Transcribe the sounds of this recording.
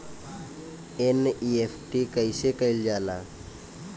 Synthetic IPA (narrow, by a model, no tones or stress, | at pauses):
eniepʰʈikəɪsekəɪld͡ʒaːlã̰ː